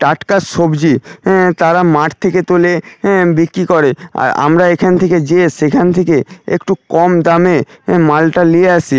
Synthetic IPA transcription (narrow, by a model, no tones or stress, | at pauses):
ʈaʈkasʃobd͡ʑit̪aɾamaʈt̪ʰeket̪olẽbikɾikoɾea̰ɾa̰mɾaekʰanet̪ʰeked͡ʑeːʃekʰanet̪ʰekeḛkʈukɔmd̪amemalʈalieat͡ɕʰi